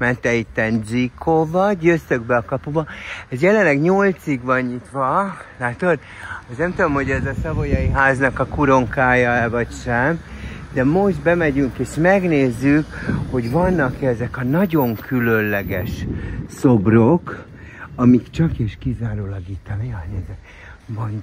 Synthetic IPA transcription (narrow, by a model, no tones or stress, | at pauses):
mɛnt̪ɛit̪ːɛnzikʰovɒɟjøst̪øɡbɛɒkɒpubɒɛzjɛlɛnlɛɡɲolt̪siɡʋɒɲɲit̪ʋɒlaːt̪od̪ | snɛmt̪ud̪o̞mho̞ɟɛzɒsɒvojɒjiɦaːznɒkɒkuɾo̞ŋkaːjɒɛvɒcʃɛmd̪ɛmo̞ʒd̪bɛmɛɟyŋkeːʃmɛɡneːzːykho̞ɟvɒnːɒkɛzɛkɒnɒɟo̞ŋkʰylønlɛɡɛʃsobrok | ɒmikt͡ʃɒkeːʃkizaːɾolɒɡit̪ːɒnijanɛzɛt̪ | vɒn